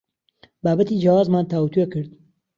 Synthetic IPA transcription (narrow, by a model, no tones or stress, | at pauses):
baːbat̪id͡ʒawaːzmaːnt̪aːut̪uekɨɾd̪̚